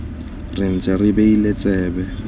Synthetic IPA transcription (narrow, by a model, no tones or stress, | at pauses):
rɪn̩t͡sʼɛrɪbeilet͡sʼɛːbɛ